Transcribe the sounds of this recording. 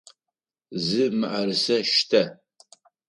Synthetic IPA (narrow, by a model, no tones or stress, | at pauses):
zɨmɨʔarɨsɐʃtʰɐ